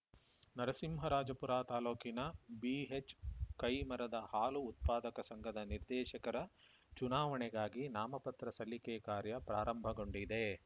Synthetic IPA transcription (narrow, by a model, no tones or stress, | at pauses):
nɐɾɐsimɦɐɾaːd͡ʒɐpuɾaːt̪aːloːkinɐbiɦet͡ʃkɐjmɐɾɐd̪ɐhaːluːt̪̚paːd̪ɐkɐsɐŋɡʱɐd̪ɐniɾd̪ɛːʃɐkɐɾɐ | t͡ʃunaːʋɐɳɛɡaːɡinaːmɐpɐt̪ɾɐsɐlːikɛːkaːɾjɐpɾaːɾɐmbʱɐɡo̞ɳɖid̪e̞